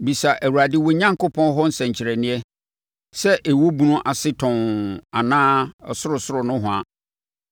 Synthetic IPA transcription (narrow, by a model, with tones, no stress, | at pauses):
bi˨sa˨ʔæ˨wu˨ɾa˨dɪ˦wo˨ɲã˦ŋkʊ˦pʰɔ̃˦n˦ɦɔ˦n̩˦sɛ̃˨ɲ˨t͡ɕʰɪ˨ɾɛ˨nɪ̃˦ɛ˦ | sɛ˦ʔe˨wo˦bu˦nʊ̃˦ʔa˨sɪ˦tʰɔ̃˨na˨nãː˦ɔ̰˨sʊ˦ɾʊ˨sʊ˦ɾʊ˨nʊ̃˦ɦʊ̃˨a˨